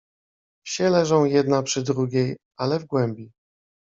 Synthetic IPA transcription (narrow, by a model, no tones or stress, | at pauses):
fɕɛlɛʐɔ̃w̃jɛd̪napʂɘd̪ɾuɡʲejʔalɛvɡwɛmbʲi